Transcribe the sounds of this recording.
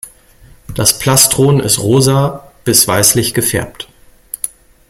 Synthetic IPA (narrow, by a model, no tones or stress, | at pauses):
d̥aspʰl̥astʁ̥oːnɪ̰stʁoːzaːb̥ɪsv̥aɪslɪçɡ̥əfɛ̰ɐpt